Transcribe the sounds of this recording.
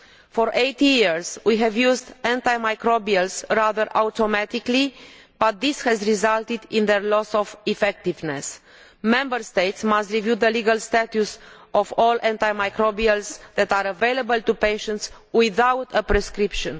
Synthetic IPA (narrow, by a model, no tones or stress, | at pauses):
fɔɾʔejt̪jiɹzwiɦɛvjuzd̪ɛ̃nt̪ajmajkɾobiəlsɾaðəɾawt̪omæt̪ikli | b̥at̪̚dishɛzɾizalt̪id̪ĩnðeɾlɔsɔvifɛk̚t̪ivnes | mɛ̃mbəɾst̪ejt̪smast̪ɾivjud̪əliɡəlst̪ætusʔɔvɔlɛ̃nt̪ajmajkɾobiəlsðɛt̪aɾəvejləbəlt̪upeʃə̃nt̪s | wiðawt̪ʰəpɾɛskɾipʃə̃n